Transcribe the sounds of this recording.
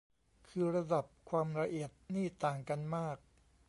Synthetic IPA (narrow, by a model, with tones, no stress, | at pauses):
kʰɯː˧ɾa˧da˨˩p̚kʰwaː˧mɾa˧ʔi˨˩ət̪̚niː˥˩t̪aː˨˩ŋka˧nmaː˥˩k̚